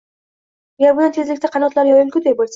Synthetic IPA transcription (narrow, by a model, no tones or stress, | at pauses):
ɡʲaɾbʊnant̪ʰe̞zlɪkʲt̪ʰaqʰɑnɒt̪laɾjɒɾɪŋkʰʲʊd̪ej̚bolʲs